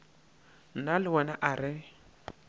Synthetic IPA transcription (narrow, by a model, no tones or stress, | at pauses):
n̩nalɪwɔnaʔaɾɪ